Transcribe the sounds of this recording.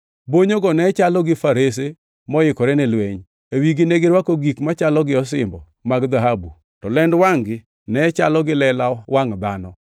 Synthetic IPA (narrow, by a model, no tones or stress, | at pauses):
boɲoɡɔnɛt͡ʃalɔɡɪfaɾes̬e | mɔɪkɔɾɛnɪlweɲ | ewiɡineɡɪɾwakoɡikmat͡ʃalɔɡɪɔs̬ɪ̰mbɔ | maɡd̪aɦabu | tɔlɛndwaŋɡɪ | nɛt͡ʃalɔɡɪlɛlawaŋd̪anɔ